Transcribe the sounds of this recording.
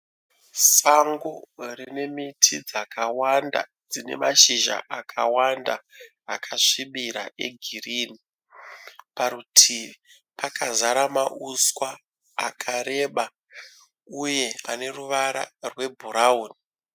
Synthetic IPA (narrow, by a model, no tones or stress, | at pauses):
saŋɡorine̞mitʰid͡zakawanda̰ | d͡zine̞̰maʃiʒa̰ʔakʰawanda̰ː | kʰaʂiɓiɾa̰ʔe̞̰ɡʱiriːni | paɾutʰiʋi | pakazaɾamaʔuskwa̰ː | kʰaɾe̞ːɓa | uje̞a̰ne̞ruʋaɾa̰rwe̞bʱuɾauːni